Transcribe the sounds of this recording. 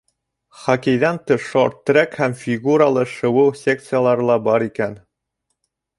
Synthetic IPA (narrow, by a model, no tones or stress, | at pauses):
χɒkĭjðænt̪ɤʃoɾt̪ːɾʲækhæmfʲiɡuɾalˠɤʃɤ̆wɤwsʲek̚t̪sɨjalˠɑɾɤ̆lˠɑbɑɾikæn